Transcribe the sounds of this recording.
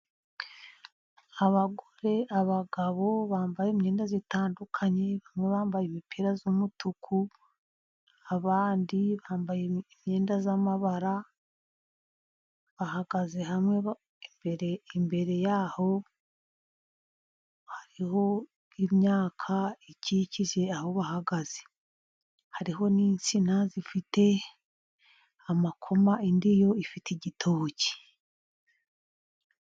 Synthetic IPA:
aβaɡo̞ɾe̞aβaɡaβo̞βaːmbajeːmɲe̞ːndazitaːndukʰaɲe̞βamŋe̞βaːmbajeimipʰiɾazumutukʰu | aβaːndiβaːmbajeimɲe̞ːndazamaβaɾa | βahaɡaze̞hamŋe | beɾeimbe̞ɾe̞jaːho̞ | haɾiho̞ | imɲaːkʰaiciciʒe̞aho̞βahaɡaz̥e | haɾiɦo̞niːnsinazifite̞ | amakʰo̞maindijo̞ifitʰeɟitʰo̞ːci̥

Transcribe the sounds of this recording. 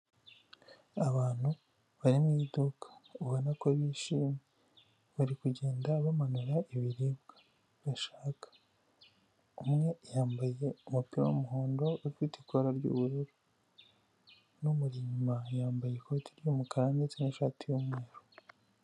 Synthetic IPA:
aβaːn̥hu | βaɾimŋiːdukʰḁuβonakwaβiːʃiːmɲe | βaɾikuɟe̞ːndaβamanuɾaiβiɾimɡḁ | βaʃaːkḁ | umŋe̞jaːmbaje̞umupiɾa̰umuɦoːndo̞uɾfitikoɾaɾɟṵβuɾuɾu | numuɾiɲumajaːmbaje̞kotiɾijomukaɾaɲet͡siniʃaːtijumŋe̞ːɾo

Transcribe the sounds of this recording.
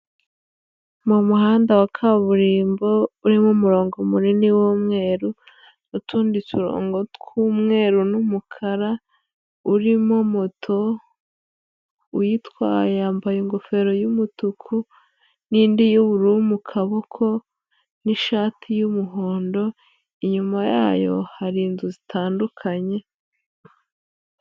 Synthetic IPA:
mumuhaːndawakʰaβuɾiːmbo̞uɾimomuɾo̞ːŋɡomuniniwoːmŋe̞ːɾu | nutuːndituɾo̰ːŋɡo̞tkuːmŋe̞ːɾunumukʰaɾa | uɾimo̞motʰo | ujitwaːjeambajiŋɡo̞fe̞ɾo̞jumutukʰu | niːndijuβuɾuumukʰaβokʰo̞ | niʃaːtʰijumuɦo̞ːndo̞ | iɲumaja̰ːjo̞̰haɾiːnzuzitʰaːndukʰaɲe̞

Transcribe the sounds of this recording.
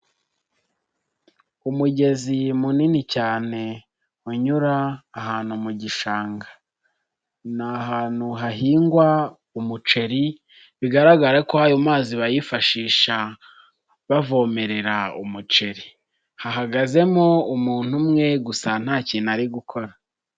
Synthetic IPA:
umuɟe̞zimuninicaːne̞ | uɲuɾaːɦaːn̥umuɟiʃaːŋɡa | naɦaːn̥uɦaɦiːŋɡwa | umut͡ʃe̞ɾi | βiɡaɾaɡaɾakohajomaːziβajifaʃiːʃa | βavo̞ːme̞ɾe̞ɾaṵmut͡ʃe̞ɾi | haɦaɡaze̞mo̞umuːn̥humŋe̞ɡusan̥haːciːnaɾiɡukʰo̞ɾa

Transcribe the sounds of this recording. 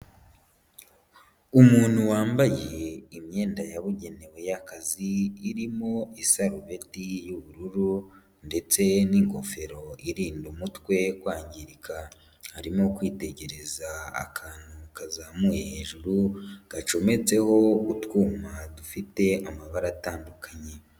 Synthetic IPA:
umuːn̥huwaːmbajeimɲe̞ːndajaβuɟe̞ne̞we̞jakaziːɾimo̞isaɾuβe̞tijuβuɾuɾu | nde̞t͡se̞niŋɡo̞fe̞ɾo̞iɾiːndumutwe̞kwaːɲɟiɾikʰa | haɾimo̞kwiːte̞ɟe̞ɾe̞zaa̰kʰaːn̥hukazamujehe̞ːʒuɾuɡ̥at͡ʃo̞me̞t͡se̞ho̞utkuːmadufite̞amaβaɾataːndukaɲe̞

